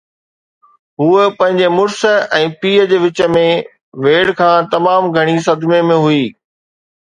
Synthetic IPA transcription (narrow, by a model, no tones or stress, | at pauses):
ɦuːpɐ̃ɦɪ̃ɲd͡ʑemʊɾsə̆ɛ̃ːpiːəd͡ʑeːʋɪt͡ɕə̆mẽ | ʋeːɽkʰãːt̪ɐmaːmɡʱɐɽ̃is̬ɐd̪memẽɦuiː